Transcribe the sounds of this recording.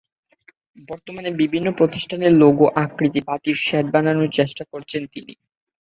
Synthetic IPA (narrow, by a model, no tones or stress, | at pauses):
bɔɾt̪omanebibʱinːopɾot̪iʃʈʰaneɾloɡoʔakɾit̪ibʱat̪iɾʃɛʈ̚bananot͡ɕeʃʈakoɾt͡ɕʰent̪inḭ